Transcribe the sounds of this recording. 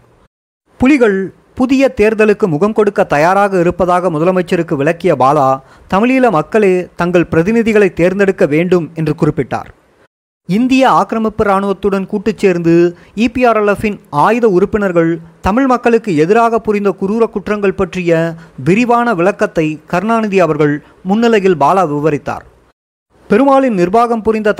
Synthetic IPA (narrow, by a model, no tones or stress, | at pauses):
pʊlɪɣɐɭ | pʊðɪjɐt̪eːɾd̪ɐlɯkːɯmʊɣɐmkɔɽɯkːɐt̪ːɐjaːɾaːɣɐɪɾɯpːɐðaːɣɐmʊðɐlɐmɐɪt͡ʃːɐɾɯkːɯʋɪɭɐkːɪjɐbaːlaː | t̪ɐmɪɭiːlɐmɐkːɐɭeːt̪ɐŋɡɐɭpɪɾɐðɪnɪðɪɣɐɭɐɪt̪ːeːɾnd̪ɛɽɯkːɐʋeːɳɖɯmɛndrɯkʊrɪpːɪʈːa̰ːɾ | ɪnd̪ɪjɐaːkɾɐmɐpːɪɾaːɳɯʋɐt̪ːɯɽɐnkuːʈːɯt͡ʃːeːɾnd̪ɯ | iːpiaːɾɐlɐfɪnaːjɯðɐʊɾʊpːɪnɐɾɣɐɭt̪ɐmɪɭmɐkːɐɭɯkːɯɛðɪɾaːɣɐpːʊɾɪnd̪ɐkʊɾuːɾɐkːʊʈrɐŋɡɐɭpɐʈrɪjɐʋɪɾɪʋaːnɐʋɪɭɐkːɐt̪ːɐɪkɐɾnaːnɪðiɐʋɐɾɣɐɭ | mʊnːɪlɐjɪlbaːlaːʋɪʋɐɾɪt̪ːa̰ːɾ | pɛɾɯmaːɭɪnnɪrbaːɣɐmpʊɾɪnd̪ɐ